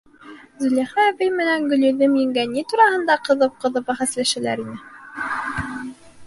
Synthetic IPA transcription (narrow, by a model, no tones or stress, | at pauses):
zɵ̆læχæβɘjmɘ̆næŋɡɵ̆lɵ̆ðɘmjɘ̆ŋɡænːit̪uɾɑhɤ̆nd̪ɑqɤ̆ðɤp̚qɤ̆ðɤpæχæslæʃɘ̆læ̰ɾinɘ